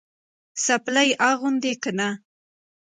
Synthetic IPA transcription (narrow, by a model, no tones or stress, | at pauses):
saplajʔaɣʊnd̪ekana